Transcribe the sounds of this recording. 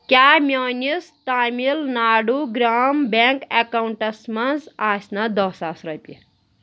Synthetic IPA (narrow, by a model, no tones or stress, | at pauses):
kʲamʲjonist̪amilnaːɽuɡɾambaŋkekauɳʈɐsmɐnzasnad̪ɔsasɾʌpʲi